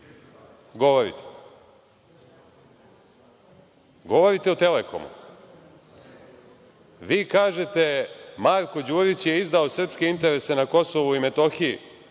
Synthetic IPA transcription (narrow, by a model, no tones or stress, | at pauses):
ɡo̞ʋoɾḭt̪e̥ | ɡo̞ʋo̞ɾit̪e̞ut̪e̞leko̞̰mṵ | ʋiːkaːʒe̞t̪e̞maɾko̞d͡ʑuːɾit͡ɕje̞izd̪aosr̩pske̞int̪e̞ɾe̞se̞nako̞so̞ʋuime̞t̪o̞xijḭ